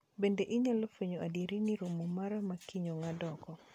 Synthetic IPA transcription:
bendeʔɪɲalɔpeɲoʔadjeɾiniɾomomaɾamakɪɲoŋadɔkɔ

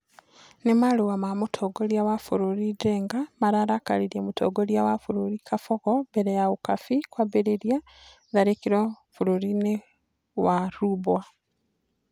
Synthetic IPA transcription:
nemaluwamamutʰoɡoljawafuɾuɾideːŋɡamaɾaɾakaliɾemutʰo̰ɡoljawafuɾuɾikʰafokobeɾejaɣukafikwaβeɾeɾja | ðaɾekiɾo | fuɾuɾine | waɾubwa

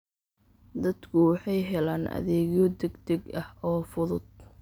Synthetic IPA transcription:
d̪ɐd̪kʰʊwɑħɑjɦɛlaːnʔɐ̰ðɛːɣjɔd̪ɛɡd̪ɛɡɐhɔːfʊðʊd̪̚

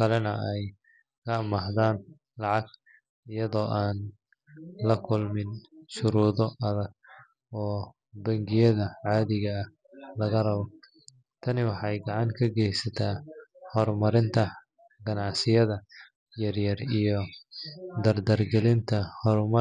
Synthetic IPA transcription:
kʰɐlɛnɐɛj | kʰɐmɐhðaːn | lɑʕɑɡ | ɪjɐðɔːʔaːn | lɐkʰʊlmɪnʃʊɾuːðɔʔɐðɐɡ̚ | ɔː | bɐŋɡɪjɐðɐʕɑːðɪɣɐ | lɐɣɐrɐβɔ | t̪ʰɐnɪwɑħɑjɡɑʕɑŋkʰɐɡɛjsɐt̪ʰaːhɔrmɐɾɪnt̪ʰɐ | ɡɐnɑʕsɪjɐðɐ | jɐrjɐrijɞ | d̪ɐrd̪ɐrɡɛlɪnt̪ʰɐhɔrmɐ

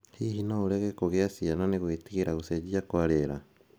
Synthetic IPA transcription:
hihinouɾeɣekuɣeasiananiɣweːtiɣiɾaɣuseɟiakwaɾeɾa

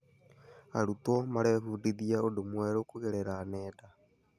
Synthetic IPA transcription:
a̰ɾut̪wɔmaɾɛːβuːdiðiaodomwɛɾokuɣeɾɛɾanɛːda

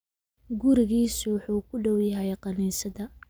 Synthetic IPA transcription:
ɡʊɾɪɣiːsʊwʊħuːkʰʊɖɔwjɪɦɛjqɑniːsɐðɐ

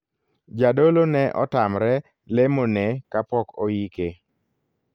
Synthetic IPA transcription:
d͡ʒadolonɛʔɔ̰tamɾɛ | lemonɛkapɔkɔjike

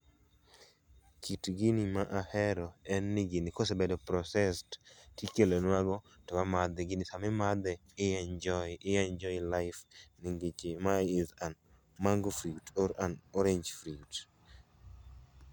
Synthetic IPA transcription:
kʰitɡinimaʔahɛɾɔɛnːɪɡinɪkosebɛdɔpɾɔsɛsttikelonwaɡɔ | tɔwamad̪ɛɡɪnɪsamɛmad̪ɛɪɛnd͡ʒɔʔɪɛnd͡ʒɔilaɪfnɪŋɡit͡ʃɪmaɪzan | maŋɡɔfɾiutɔɾanɔɾeɲd͡ʒfɾiut

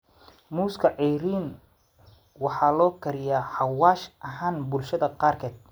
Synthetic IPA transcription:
muːskʰɐʕɛjɾiːn | wɑħɑːlɔːkʰɐɾɪjaːħɑwaːʃʔɐɦaːnbʊlʃɐðɐqɑːrkʰɛːd̪̚

